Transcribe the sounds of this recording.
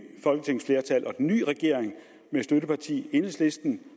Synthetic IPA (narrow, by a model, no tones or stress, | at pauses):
fɒ̽lɡ̥ət͡sʰe̝ŋ̰sfle̝ːɐt͡sʰælʔɒ̽d̥enːy̰ːʁɛɡ̥e̝̰ɐ̰eŋ | mesd̥øɾəpʰɑ̈t͡sʰḭːe̝n̩sle̝sd̥n̩